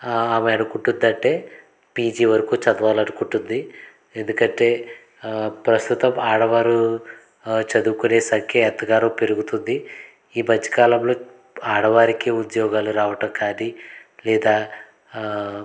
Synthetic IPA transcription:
aːmeɐɽukuɳʈund̪ɐɳʈe̞ː | piːd͡ʒiːʋɐɾɐkuːt͡ʃɐd̪ɐʋaːlɐɽukuɳʈund̪i | e̞nd̪ukɐɳʈe̞ː | pɾɐst̪ut̪ɐmaːɽɐʋaːɾu | t͡ʃɐd̪uːkune̞ːsɐŋkʰjɐɛt̪ːɐɡaːɾɐpe̞ɾuɡut̪und̪i | iːbɐd͡ʒɐ̥kaːlɐmlo̞ː | aːɽɐʋaːɾikiud̪jɔːɡaːluɾaːʋɐʈɐmkaːnilɛːd̪aː

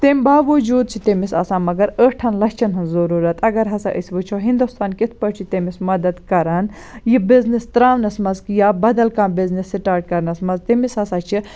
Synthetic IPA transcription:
t̪eːmʲbaːʋɐd͡ʒuːd̪̚t͡ʃʰit̪emisa̰ːsãːmɐɡɐɾəːʈʰɐnlɐst͡ʃʰɐnɦɐnzɐɾuːɾɐt̪ɐɡɐɾɦɐsɐ̰ʔəsʲʋɨt͡ʃʰoːɦĩnd̪ust̪ʰaːnkit̪ʰpɐɾt͡ʃʰit̪emismɐd̪ɐd̪kɐɾɐn | jibiznist̪ɾaːʋnɐsmɐzkjaːbɐd̪ɐlkãːbiznisːiʈaːɾɖ̚kɐɾnɐsmɐzt̪emisaːsaːt͡ʃʰi

